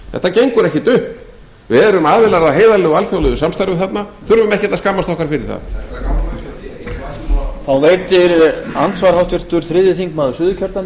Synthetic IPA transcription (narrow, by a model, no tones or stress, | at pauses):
θɛ̰ht̪acejŋkʏɾɛhcɪt̪ʏhp | vɪðɛɾʏmaːðvɪlaɾaðɦeːjðalɛɣalθjowlɛðʏsamst̪aɾvʏθat̪naθʏɾvʏmɛhcɪt̪askaːmːast̪ɔhkaɾ̥fɪɾɪɾ̥θa̰ð | θawveːjt̪ɪɾant̪svaɾhawt̪vɪr̥t̪ʏɾ̥θɾɪðjɪθiŋkmaðʏsʏðʏcʰœɾt̪a